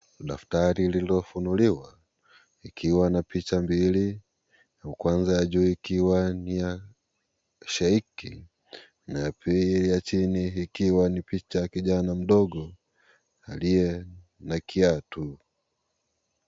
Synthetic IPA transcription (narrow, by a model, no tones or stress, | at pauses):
ɗaftaɾililiɔfunuliwa | ikʰiwanapit͡ʃambili | kwanzajaʄuːikiwanija | ʃaikḭ | najapʰiilijat͡ʃiniikiwanipit͡ʃajakiʄanam̩ɗɔɠɔ | alijɛ | nakʰiatu